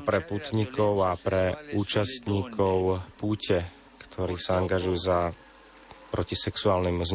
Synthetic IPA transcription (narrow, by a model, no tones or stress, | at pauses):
pɾɛput̪ɲikɔʊapɾɛuːt͡ʃast̪ɲiːkʰɔʊpuːcɛ | kt̪ʰɔɾiːsaaŋɡaʒujuza | pɾʔɔcisɛksuaːlnimz